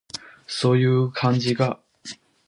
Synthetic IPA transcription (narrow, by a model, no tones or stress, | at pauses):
so̞ːjɯ̟ːkʰãɲ̟d͡ʑiɡa